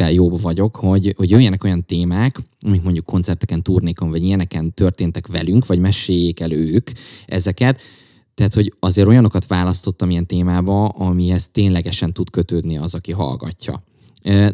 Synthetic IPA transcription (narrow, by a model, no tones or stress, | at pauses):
ɛljoːbvɒɟo̞kho̞ɟho̞ɟjøjːɛnɛko̞jɒnt̪eːmaːkɒmikmo̞ɲɟukʰːo̞nt̪sɛrt̪ɛkɛnt̪urneːkoɱvɒɟijɛnɛkɛnt̪ø̞rt̪eːnt̪ɛkvɛ̰lyŋkvɒɟmɛʃeːjeːkɛløːkɛ̰zɛkɛt̪ː | ɛɦat̪ho̞ɟɒzeːɾo̞jɒno̞kɒt̪ʋaːlɒst̪o̞t̪ːɒmijɛnt̪eːmaːbɒʔɒmiɦɛst̪eːnlɛɡɛʃɛnt̪ut̪køt̪øːd̪niɒzɒkiɦɒ̰lɡɒ̰cːɒ̰